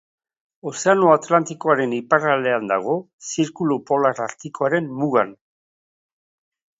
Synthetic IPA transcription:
o̞se̞anoat̪lant̪ikoaɾe̞nipaɾale̞and̪a̰ɣ̞o̞ | siɾkulupo̞laɾaɾt̪ikoaɾe̞mmuɣan

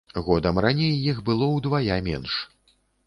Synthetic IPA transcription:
ɣɔd̪ɐmranʲejːixbɨlˠɔwd̪vajamʲɛ̰nʂ

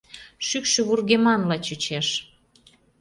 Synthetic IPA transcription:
ʃykʃə̆βurɣemɑnlɑt͡ɕut͡ɕeʃ

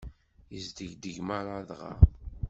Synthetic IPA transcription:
əzd̪əʝd̪əʝmæɾˤaðʁa̰

